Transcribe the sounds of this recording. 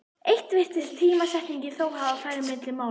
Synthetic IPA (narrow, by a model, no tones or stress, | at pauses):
ejht̪vɪht̪ɪt̪ʰɪl̥t̪ʰiːmasɛht̪niɲcɪθoːwɦaðawfaːjɾɪmːɪt̪lɪmaːw